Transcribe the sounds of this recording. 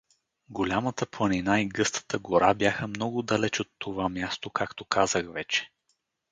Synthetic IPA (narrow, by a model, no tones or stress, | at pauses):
ɡolʲamət̪əplˠəninaiɡɤst̪ʰə̥t̪əɡoɾabjaxəmnɔɡʊd̪ɐlɛt͡ʃot̪ːovamʲjast̪okakt̪okazəxvɛt͡ʃɛ̥